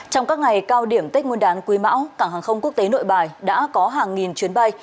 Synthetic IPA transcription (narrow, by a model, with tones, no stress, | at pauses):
t͡ɕɔ˧wŋ͡mkaː˦˥k̚ŋa˨˩jkaː˧wɗi˧˩əmt̪i˦˥k̟̚ŋu˧nɗaː˨˦nkwi˨˦ma̰ː˧˥wkaː˧˩ŋɦaː˨˩ŋxə˧wŋ͡mku˦˥ək̚t̪e˨˦no̰˧˨jɓaː˨˩jɗa̰ː˧˥kɔ˨˦ɦaː˨˩ŋːi˨˩nt͡ɕwi˨˦ənɓa˧j